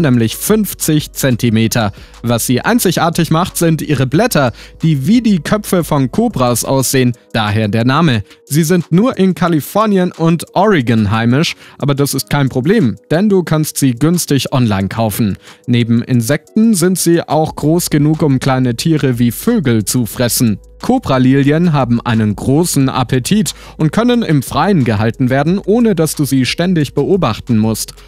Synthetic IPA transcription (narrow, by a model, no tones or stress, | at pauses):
nɛːmlɪçfʏnft͡sɪçt͡sɛntimeːtʰɐ | vasz̥iːʔa̰ɪnt͡sɪçʔaːɐtɪçmaχtz̥ɪntʔḭːʁəblɛtɐd̥iːviːdiːkʰœpfəfɔnkʰoːbʁasʔa̰ʊsz̥eːənd̥aːɦeːɐdeːɐnaːməziːzɪntnuːɐʔɪnkʰalifɔɐnjənʊntʔɔʁɪɡənɦaɪmɪʃʔa̰ːbɐdasɪst̚kʰaɪnpʁ̥obleːmd̥ɛnduːkʰanstz̥iːɡʏnstɪçʔɔnlaɪnkʰaʊfn̩neːbm̩ʔɪ̰nzɛk̚tn̩zɪntz̥iːʔaʊxɡ̥ʁoːsɡ̥ənuːkʊmkl̥aɪnətʰiːʁəviːføːɡl̩t͡sufʁ̥ɛsn̩ | kʰoːpʁ̥aliːljənɦaːbm̩ʔa̰ɪnənɡʁoːsn̩ʔa̰pʰətʰiːt | ʔʊnt̚kʰœnənɪmfʁ̥aɪənɡəɦaltn̩veːɐdn̩ʔoːnədasd̥uːziːʃtɛndɪçb̥əʔoːbaχtn̩mʊst